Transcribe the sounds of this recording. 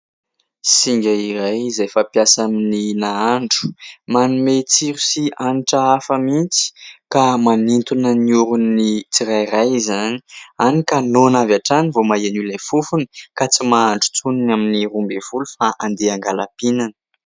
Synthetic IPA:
siŋɡʲaiɾajizajfapjasamininaaɳɖ͡ʐu̥manumet͡siɾusianiʈ͡ʂaafəmint͡si̥kamanint̪unəniuɾunit͡siɾajirajzanianikanonavaʈ͡ʂanivomaenulefufunəkat͡simaaɳɖ͡ʐu̥t͡suninaminirumbev̥ulufaʔand̪eaŋɡalapinanə̥

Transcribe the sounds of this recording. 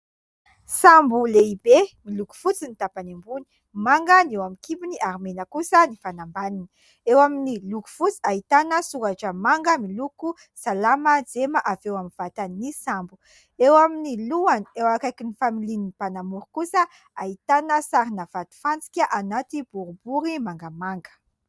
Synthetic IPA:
sambuleibemiluku̥fut͡sinit̪apanembuni̥ | maŋɡənewamikipuniʔaɾimenəkusənifanambanin | ewaminiluku̥fut͡si̥aɦit̪anəsuŋaʈ͡ʂəmaŋɡəmiluku | salaməd͡zemaʔavewamivat̪anisambu | ewaminiluaniewakajkinifamilininipanamuɾukusə | aɦit̪anəsaɾinav̥at̪i̥fant͡si̥kʲaʔanat̪ib̥uɾubuɾimaŋɡəmaŋɡə̥

